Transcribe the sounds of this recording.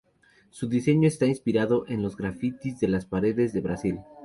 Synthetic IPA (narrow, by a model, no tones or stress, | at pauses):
suðise̞ɲo̞est̪ainspiɾaðo̞ʔe̞nlo̞zɣɾafit̪izðe̞laspaɾe̞ðe̞zðe̞βɾasil